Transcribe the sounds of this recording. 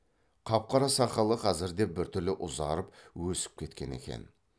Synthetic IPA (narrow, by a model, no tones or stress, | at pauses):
qʰɑp̚qʰɑɾɑsɑqɑlˠəqʰɑzɪɾd̪e̞bɪɾt̪ʰʏɾlɪʔʊzɑ̰ɾəpwɵsɪ̥p̚kʲʰe̞t̪kʲe̞̰ne̞̰kʲe̞̰n